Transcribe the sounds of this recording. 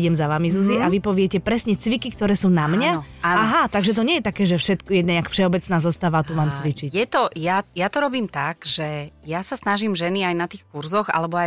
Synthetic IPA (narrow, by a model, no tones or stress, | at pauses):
ɟɛmzaʋamizuziʔaʋipɔʋɪɛcɛpɾɛsɲɛt͡sʋikik̚t̪ɔɾɛːsuːnamɲa | aaɦat̪aɡʒɛt̪ɔɲɛjɛt̪akɛːʒɛfʃɛt̪kjɛɲɛakfʃɛɔbɛt͡snaːzɔst̪aːʋat̪uʋaːmt͡sʋit͡ʃicjɛt̪ɔjajat̪ɔɾɔbiːmt̪aɡ̥ʒ̥ɛjasasnaʒiːmʒɛniajnat̪iːxkuɾzɔɣa̰lɛbɔa